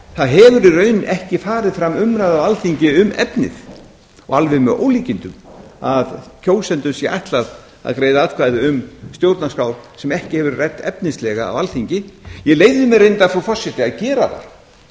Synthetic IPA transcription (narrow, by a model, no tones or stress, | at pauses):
θaðɦɛvʏɾrœːɥnɛhcɪfaːɾɪðfɾamʏmɾajðavalθiɲcɪʏmɛ̰pnɪ̰ð | ɔ̰ɣalvɪmɛðo̰ːwliːcɪnt̪ʏmaðcʰoːwsɛnt̪ʏmsjɛʔa̰jht̪lað | a̰ðkɾeːjðaat̪kvaːjðɪʏmst̪jowɾt̪naskaːwɾsɛmɛhcɪhɛvʏɾrɛt̪ːɛp̚nɪslɛːɣa̰ːvalθiɲcɪjɛleːjvðʏmɛɾejnt̪afɾɔfɔr̥sːɪt̪ɪaðcɛːɾaθa̰̥